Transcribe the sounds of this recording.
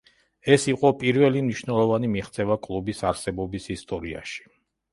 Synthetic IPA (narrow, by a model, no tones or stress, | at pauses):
ɛsiqʼɔpʼiɾvɛlimniʃnɛlˠɔvanimiχt̪sʰʼɛvakʼlˠubisaɾsɛbɔbisist̪ʼɔɾia̰ʃi̥